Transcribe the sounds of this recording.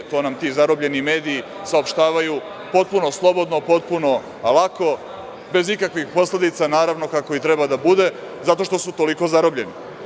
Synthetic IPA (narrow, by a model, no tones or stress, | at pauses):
t̪o̞ːnamt̪izaɾobʎe̞nime̞ːd̪iː | saopʃt̪aːʋaju | po̞t̪̚puno̞slˠo̞bo̞d̪no̞po̞t̪puno̞ | lˠako̞ | be̞zikakʋixpo̞sle̞d̪it̪sanaːɾaʋno̞kako̞it̪ɾe̞bad̪abud̪e̞ | zat̪o̞ʃt̪o̞sut̪o̞liko̞zaɾobʎe̞ni